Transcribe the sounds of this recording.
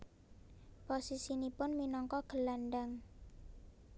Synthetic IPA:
posisinipʊnminɔŋkɔɡ̥əlanɖaŋ

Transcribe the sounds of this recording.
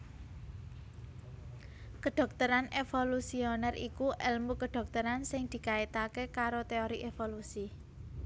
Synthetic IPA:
kəɖ̪̥ɔ̤k̚t̪əɾanefolusionɛrḭkuʔɛlmukəɖ̥ɔ̤k̚t̪əɾansɪŋd̪̥i̤kait̪akekaɾot̪eoɾiʔefolusi

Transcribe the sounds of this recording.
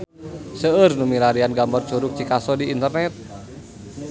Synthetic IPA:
səərnumilaɾianɡambart͡ʃuɾʊk̚t͡ʃikasɔdiːnt̪ərnɛt̪̚

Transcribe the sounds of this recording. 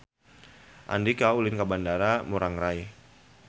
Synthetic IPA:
ʔa̰ndikaulɪnkabandaɾamoɾaŋraj

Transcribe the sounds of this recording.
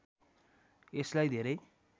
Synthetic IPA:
eslajd̪ʱeɾʌj

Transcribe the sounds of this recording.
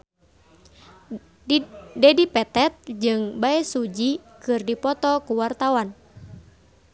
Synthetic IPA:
dɛdipɛt̪ɛt̪̚d͡ʒɨŋbaɛsud͡ʒikɨrdipɔt̪ɔkuwart̪awan

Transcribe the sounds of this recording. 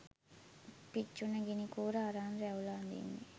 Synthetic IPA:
pit͡ʃːunːɐɡinikuːɾaːɾaːnɾɛwulaːund̪ḭnːi

